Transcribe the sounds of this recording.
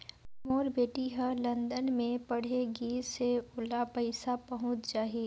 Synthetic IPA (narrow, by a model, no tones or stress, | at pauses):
moːɾbeːʈiɦə̃lɐ̃nd̪ənmẽpɐɽ̤eɡiːɾseʊlapəɪsapɐɦʊ̃t͡ʃd͡ʒaːeː